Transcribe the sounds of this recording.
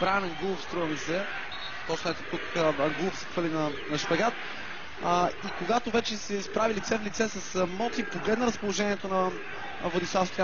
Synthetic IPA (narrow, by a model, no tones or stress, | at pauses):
bɾanɛŋɡufst̪ɾuvɐmisɛ | t̪ɔt͡ʃnɛt̪ɛt̪ukɐŋɡulˠʊfsɛ̥xvəlinɐnɐʃpɐɡat̪ | ikoɡat̪ovɛt͡ʃɛsɛispɾavilit̪sɛflit̪sɛsɐsmɔt̪lʲipoɡlɛd̪nɐɾəspolˠoʒɛniɛt̪onɐ | vod̪islˠafst̪k